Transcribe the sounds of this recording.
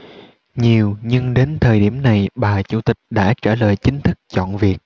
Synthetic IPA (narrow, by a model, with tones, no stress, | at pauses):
ɲi˨˩əwɲɨ˧ŋɗe˨˦nt̪ʰəː˨˩jɗi˧˩əmna˨˩jɓaː˨˩t͡ɕu˧˩t̪ï˨˩k̟̚ɗa̰ː˧˥t͡ɕəː˧˩ləː˨˩jt͡ɕï˨˦ŋ̟t̪ʰɨ˦˥k̚t͡ɕɔ̰˧˨nvi˨˩ək̚